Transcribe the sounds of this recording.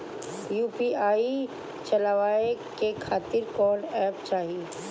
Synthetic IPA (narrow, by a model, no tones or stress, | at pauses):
juːpiaːi | t͡ʃɐlaʋaːekekʰaːt̪ɪɾkɔːɖɛːpt͡ʃaːɦie